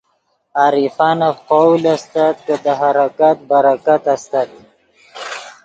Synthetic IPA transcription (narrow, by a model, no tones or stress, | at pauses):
aːɾifɑnaqowlast̪at̪̚kəd̪əɦaɾakat̪̚baɾakat̪ast̪ad̪i